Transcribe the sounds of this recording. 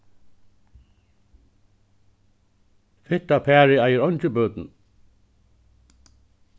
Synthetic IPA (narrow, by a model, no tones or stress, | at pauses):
fɪht̪apʰɛːɾɪajɪɾɔɲt͡ɕɪbœːt̪n̩